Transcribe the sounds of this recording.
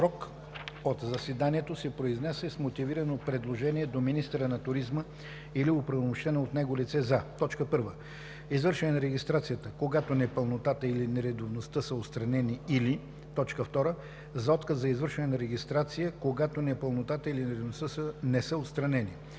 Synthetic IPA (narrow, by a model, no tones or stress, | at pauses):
ɾɔk | ot̪zɐsɛd̪aniɛt̪osɛpɾoiznɛsɛsmot̪iviɾənopɾɛd̪lˠoʒɛniɛd̪ominist̪ɛɾənɐt̪ʊɾizmə | iliopɾəvmoʃt̪ɛnəot̪nɛɡolit̪sɛzɐt̪ɔt͡ʃkəpɤɾvə | izvəɾʃɛnɛnɐɾɛɡist̪ɾat̪sijət̪əkoɡat̪onɛpəlˠnot̪at̪əilinɛɾɛd̪ovnost̪əsəot̪st̪ɾɐnɛniili | t̪ɔt͡ʃkəft̪ɔɾə | zɐɔt̪kəzzɐizvəɾʃɛnɛnɐɾɛɡist̪ɾat̪sijəkoɡat̪onɛpəlˠnot̪at̪əilinɛɾɛd̪ovnost̪əsənɛsəot̪st̪ɾɐnɛni